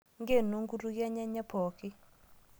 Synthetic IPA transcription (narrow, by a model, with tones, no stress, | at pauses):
ŋɡe˦˨no˦ŋɡu˦ɾu˦ɡja˦ɲa˦ɲa˦pʰɔ˨kɪ˦